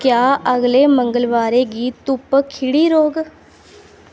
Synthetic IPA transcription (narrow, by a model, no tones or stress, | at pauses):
kjaːəɡleːməŋɡəlʋaːɾeːɡiːt̪ʊpkʰɪɽiːɾoːɡ